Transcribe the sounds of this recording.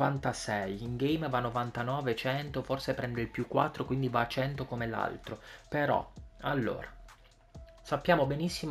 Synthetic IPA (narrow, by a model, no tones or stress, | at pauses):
vant̪asɛjiŋɡejmvanːovant̪anɔːvet͡ʃɛnt̪oforsepɾɛnd̪eilpjukːwa̰t̪ːɾokwind̪ivat͡ʃɛnt̪okomela̰lt̪ɾopeɾɔ̰alːo̰ːɾa | sapːjaːmobenisːim